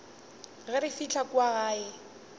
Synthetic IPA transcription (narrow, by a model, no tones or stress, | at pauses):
ɣɛɾɪfit͡ɬʰakwaɣaːɪ